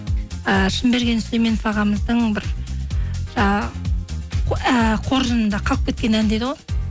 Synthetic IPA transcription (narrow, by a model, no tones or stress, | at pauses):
əʃɪmbe̞ɾɡʲe̞nɪsleme̞nfɑʁɑməzd̪əɴbɪɾ | ʒɑ | əqʰo̞ɾʒənənd̪ɑqʰɑlˠəp̚kʲe̞t̪̚kʲe̞nænd̪ed̪əʁo̞j